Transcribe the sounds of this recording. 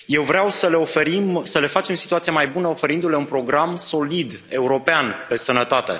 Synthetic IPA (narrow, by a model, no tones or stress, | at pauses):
je̞wvɾeawsəle̞o̞fe̞ɾimsəle̞fat͡ʃe̞msi̥t̪uat̪sijamajbunəo̞fe̞ɾind̪ule̞unpɾo̞ɡɾamso̞lid̪ | e̞uɾo̞peanpe̞sənət̪at̪e̞̰